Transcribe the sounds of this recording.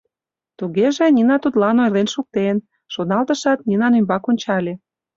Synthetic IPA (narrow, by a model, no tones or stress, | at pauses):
t̪uɣeʒĕnʲinɑt̪ut̪lɑnojlenʃuk̚t̪en | ʃonɑlt̪əʃɑt̪nʲinɑnymbɑkonʲt͡ɕɑlʲe